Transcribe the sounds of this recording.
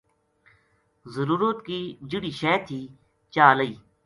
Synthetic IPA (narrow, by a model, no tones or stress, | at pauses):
zəɾuːɾot̪kiːd͡ʒɪɽiːʃɛːt̪ʰːiː | t͡ʃaːləiː